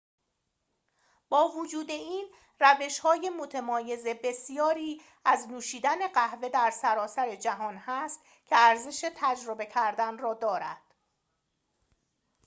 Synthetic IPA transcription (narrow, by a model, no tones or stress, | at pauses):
b̥ɒːvod͡ʒuːd̪e̞iːn | ræve̞ʃhɒːje̞mot̪ʰemɒːje̞zebe̞sijɒːɾiː | æznuːʃiːd̪æne̞ɢæhve̞d̪æɾsæɾɒːsæɾe̞d͡ʒæɦɒːnhæst̪ | cʰe̞æɾze̞ʃe̞t̪ʰæd͡ʒɾo̞be̞cʰæɾd̪ænrɒːd̪ɒːɾæ̰d̪̥